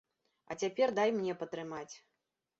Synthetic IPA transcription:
ɐ̰t͡sʲapʲɛrd̪ajmnʲɛpɐt̪ɾɨmat͡sʲ

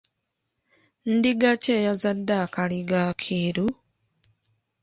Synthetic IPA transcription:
n̩diɡaceːjazadːakaliɡaːkʰiːɾu

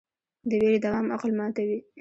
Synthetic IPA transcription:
d̪əweɾed̪awɑmaqlmɑt̪awi

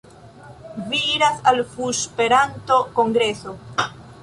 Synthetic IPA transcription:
viiɾasalfuʃpe̞ɾanto̞ko̞ŋɡɾe̞so̞

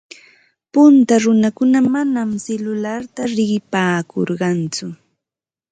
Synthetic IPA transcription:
pʊnt̪aɾʊnakʊnamanamselʊlaɾt̪aɾɪɢɪpaːko̰ɾɢɑnt͡sʊ

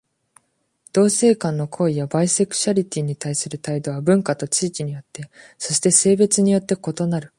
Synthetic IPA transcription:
d̪̥o̞ːse̞ːkãnːo̞kʰo̞ːijabaise̞kɯ̥t͡ɕaɾʲit̪ʲiɲ̟it̪aisɨɾɯ̟t̪aid̪o̞βabɯ̟̃ŋkat̪o̞t͡ɕiːkʲiɲ̟ijo̞t̪ːe̞ | so̞ɕi̥t̪e̞se̞ːbe̞t͡sɨɲ̟ijo̞t̪ːe̞ko̞t̪o̞naɾɯ̟

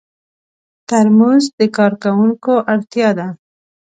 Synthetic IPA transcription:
t̪aɾmuzd̪əkɑɾkawuŋkoʔaɽt̪jɑd̪a

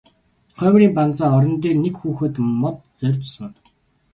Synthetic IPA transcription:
χœːmriːmpant͡saːɔɾɞ̆nt̪̬eːrnekxuːxɘ̆t̪mɔt̪̚t͡sœrʲt͡ɕsə̆ŋ

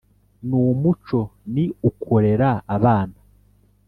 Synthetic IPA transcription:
nuːmut͡ʃo̞niukʰoɾe̞ɾaːβaːna

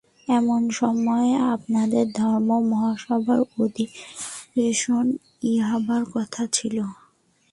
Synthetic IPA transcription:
ɛmonʃɔmɔeap̚nad̪eɾd̪ʱɔɾmomɔɦaʃɔbʱaɾod̪ʱiɾeʃon | iɦabʱaɾkɔt̪ʰat͡ɕʰilo

